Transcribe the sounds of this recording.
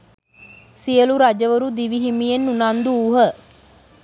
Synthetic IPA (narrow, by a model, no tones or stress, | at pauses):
sijəluɾad͡ʒəʋəɾud̪iʋiɦimijenːunand̪uːɦə